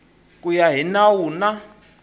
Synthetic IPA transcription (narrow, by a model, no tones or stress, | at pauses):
k̬ʼujaɦinawuna